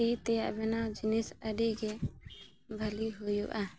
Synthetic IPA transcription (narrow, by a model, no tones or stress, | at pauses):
it̪ɛjaʔbɛnawd͡ʒinisəɖiɡɛ | bʱəliɦujṵʔa